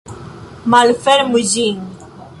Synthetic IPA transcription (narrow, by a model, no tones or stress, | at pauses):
malfɛɾmuʒiŋ